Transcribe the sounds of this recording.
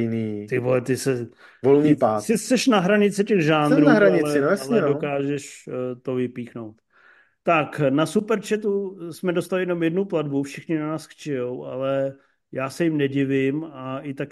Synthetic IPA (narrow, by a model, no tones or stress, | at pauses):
ɪniːt̪ɪvoɛt̪ɪsɛ | volniːpaːsɪsɛʃnaɦɾaɲɪt͡sɪcɛɣʒaːnɾunaɦɾaɲɲɪɛɪojasalɛndokaːʒɛʃt̪o̞vɪpiːxno̞wt̪ | t̪aknasupɛɾt͡ʃɛt̪usmɛdost̪alɪjɛno̞mjɛdnupladbufʃɪxɲɪnanaːsxt͡ʃɛjowalɛ | jaːsɛjɪmnɛɟɪvɪmaʔɪt̪ak